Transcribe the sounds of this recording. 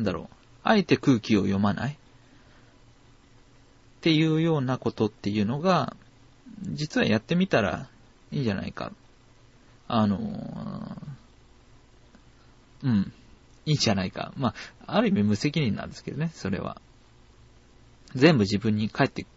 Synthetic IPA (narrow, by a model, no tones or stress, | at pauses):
nd̪aɾo̞̰ː | aet̪e̞kɯ̟ːkʲio̞̰jo̞manʔa̰i | t̪e̞jɯ̟ːjo̞ːnako̞t̪o̞t̪ːe̞jɯ̟ːno̞ɡa | d͡ʑit͡sɨβa̰jat̪ːe̞mʲit̪aɾa̰ | iːɲd͡ʑana̰ika̰ | ano̞̰ | ɯ̟̃ɴ | iːɲd͡ʑanaika̰maaɾɯ̟imʲimɯ̟se̞k̬ʲiɲʲĩnã̰nd̪esɨ̥ke̞d̪oneso̞ɾe̞̰βa̰ | zẽ̞mbɯ̟ʑibɯ̟̃ɲ̟ːikʰae̞t̪ːe